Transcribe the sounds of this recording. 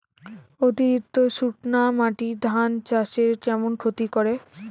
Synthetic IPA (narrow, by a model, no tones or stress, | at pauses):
ot̪iɾit̪ːoʃuʈnamaʈid̪ʱant͡ɕaʃeɾkɛmonkʰot̪ikoɾe